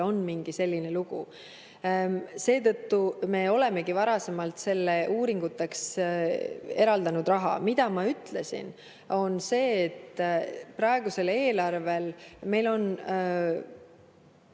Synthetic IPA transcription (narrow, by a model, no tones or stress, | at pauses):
o̞nmiŋɡ̥ise̞lʲːine̞luɡ̥ṵ | se̞ːt̪ɤ̞t̪ːume̞o̞le̞me̞ɡivɑɾɑse̞mɑlt̪se̞lːeuːɾiŋɡ̥ut̪ːˑeks | e̞ɾɑld̪ɑnud̪rɑɦɑ̰mid̪̥ɑmɑyt̪le̞sḭn | o̞nse̞ːt̪ːprɑe̞ɡ̥use̞le̞ːlɑrve̞lme̞jlo̞n